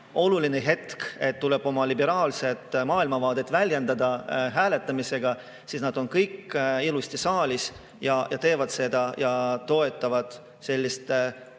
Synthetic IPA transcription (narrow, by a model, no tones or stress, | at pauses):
o̞lulineɦe̞t̪ke̞t̪ːule̞b̥o̞mɑlibe̞ɾɑːlse̞t̪ːmɑːilmɑvɑːd̪̥et̪ːˑvælʲjend̪ɑd̪ɑɦæːle̞t̪ːˑɑmise̞ɡ̥ɑ | siːsnɑd̪̥o̞nkɤjkilust̪isɑːlʲis | jɑjɑt̪e̞ːvɑd̪̥se̞d̪̥ɑjɑt̪o̞e̞t̪ːˑɑvɑd̪̥ | se̞lʲːist̪